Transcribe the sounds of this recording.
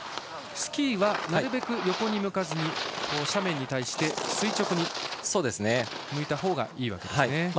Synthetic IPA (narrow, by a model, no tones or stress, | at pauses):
sɨ̥kʲiːβanaɾɯ̟be̞kɯ̟jo̞ko̞ɲ̟imɯ̟kazɨɲ̟iko̞ːɕamẽ̞ɲ̟ːit̪aiɕi̥t̪e̞sɨit͡ɕo̞kɯ̟ɲ̟iso̞ːd̪e̞sɨne | mɯ̟it̪aɦo̞ːɡa̰iːβa̰ke̞d̪ne